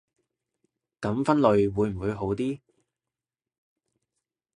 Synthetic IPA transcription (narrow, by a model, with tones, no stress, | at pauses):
kɐ˨˥mfɐ˥nlɵ˨ɥwuː˨˧jm̩˨˩wu˨˧jɦo˨˥wt̪iː˥